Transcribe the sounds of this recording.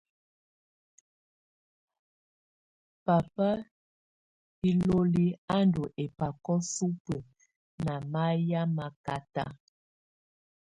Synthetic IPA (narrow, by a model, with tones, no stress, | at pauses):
pa˨pa˦ | i˦lo˦li˦a˦ndo˨ʔe˨pa˨kɔ˦su˦pə˨ | na˨ma˦ja˦ma˨ka˦ta̰˦